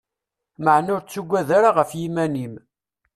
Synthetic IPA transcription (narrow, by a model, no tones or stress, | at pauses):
məʕnʊɾt͡sːuɡʷːæðaɾaʁəfjimænim